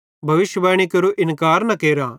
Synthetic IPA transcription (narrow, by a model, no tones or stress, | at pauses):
bʱɐʋɪʃjəʋaːɽ̃ikɐɾoʔɪnkaːɾnɐkeːɾaː